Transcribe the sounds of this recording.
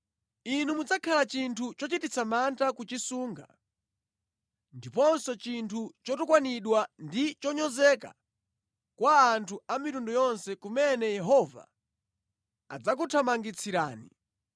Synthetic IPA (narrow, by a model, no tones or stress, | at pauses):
inumud͡zakʰalat͡ʃintʰut͡ʃɔt͡ʃitit͡samantakut͡ʃisuːŋɡa̰ | ndipɔnsɔt͡ʃintʰut͡ʃɔtɔkwaniɗwandit͡ʃɔɲɔzɛka̰ | kwaːntʰuamitundɔjɔnsɛkumɛnɛjɛɦɔva̰ | a̰d͡zak̬utʰamaŋɡit͡sʰiɾa̰ːnḭ